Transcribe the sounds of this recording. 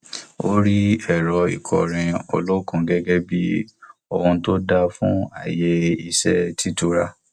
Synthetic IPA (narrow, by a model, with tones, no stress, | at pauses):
o̰˦ɾi˦ɛ˨ɾɔ˧ḭ˨kʰɔ̰˨ɾ̃ĩ˧o̰˧lo˦kũ˧ɡɛ˦ɡɛ˦bi˦ɔ˧hũ˧to˦da˦fũ˦a̰˦˨je˦i˨sɛ˦tʰi˦tu˦ɾa˦